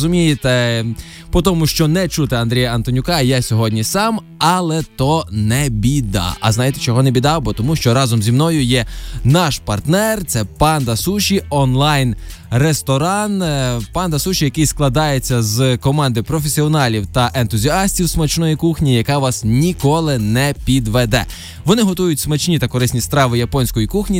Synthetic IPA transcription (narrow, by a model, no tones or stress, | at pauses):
zʊmʲijɪt̪ɛ | pɔt̪ɔmʊʃt͡ʃɔnɛt͡ʃut̪ɪɐnd̪ʲɾʲijɐɐnt̪ɔnʲʊkɑjasʲɔɦɔdʲnʲisɑm | ɑlˠɛt̪ɔnɛbʲid̪ɑ̰ʔɐ̰znɑjet̪et͡ʃɔɦɔnɛbʲid̪ɑwbɔt̪ɔmuʃt͡ʃɔɾɑzɔmzʲimnɔjʊjɛnɑʃpɐrt̪nɛrt̪sɛpɑnd̪ɐsuʃʲiɔnlˠɑjnrest̪ɔɾɑnpɑnd̪ɐsuʃijɐkɪjsklˠɐd̪ɑjet͡sʲːɐzkɔmɑnd̪ɪpɾɔfʲesʲiɔnɑlʲiwt̪ɐʔent̪ʊzʲiɑsʲtʲiwsmɐt͡ʃnɔjikuxnʲijɐkɑʋɑsnʲikɔlˠɪnɛpʲid̪ʋɛd̪ɛ̰ | ʋɔnɪɦɔt̪ujʊtʲsmɐt͡ʃnʲit̪ɐkɔɾɪsʲnʲist̪ɾɑʋɪjɐpɔnʲsʲkɔjikuxnʲi